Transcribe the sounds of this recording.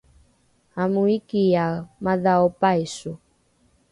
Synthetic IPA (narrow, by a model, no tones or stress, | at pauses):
amuikijamaðaɔpaisu